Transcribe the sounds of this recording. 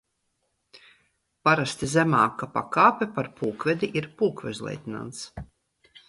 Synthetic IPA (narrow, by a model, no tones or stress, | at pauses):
paɾast̪izʲɛmaːkapa̰kaːpɛpaɾpuːkvɛd̪ʲiʔiɾpuːkvɛ̰zlˠɛ̰jt̪ina̰nt̪s